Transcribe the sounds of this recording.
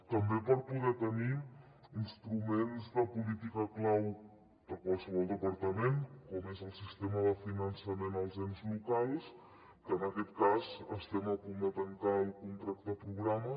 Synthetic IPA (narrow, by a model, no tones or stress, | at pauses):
t̪əmbepəɾpuðɛt̪əni | inst̪ɾumenzðəpulit̪ikəklaw | d̪̥əkwalˠsəβɔlˠd̪əpəɾt̪əmenkɔmezəlˠsist̪eməðəfinənsəmenəlˠzɛnzlukalˠs | kəːnəkɛt̪kazəst̪ɛməkumət̪ənt̪aəlˠkunt̪ɾak̚t̪əpɾuɣɾamə